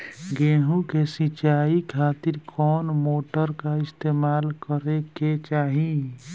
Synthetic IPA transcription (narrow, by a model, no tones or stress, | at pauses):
ɡeːɦũkesit͡ʃaːikʰaːt̪ɪɾkʰɔːnmoːʈəɾkaɪst̪eːmaːlkəɾeket͡ʃaːɦi